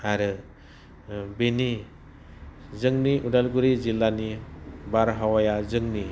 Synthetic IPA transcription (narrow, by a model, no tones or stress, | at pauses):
aɾɯ | beni | zɯŋniʔudalɡuɾizilːanibaɾɦawajazɯŋni